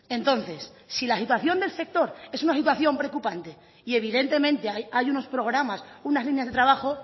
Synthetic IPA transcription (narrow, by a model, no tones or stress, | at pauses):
ẽ̞nt̪o̞n̟θe̞sː | ilasit̪waθjo̞nd̪e̞lse̞k̚t̪o̞ɾe̞sunasit̪̬waθjo̞mpɾeokupant̪e̞ | ie̞β̞ið̞e̞nt̪e̞mẽ̞nt̪e̞ajajuno̞spɾo̞ɣ̞ɾamasunazlinjazðe̞t̪ɾaβaxo̞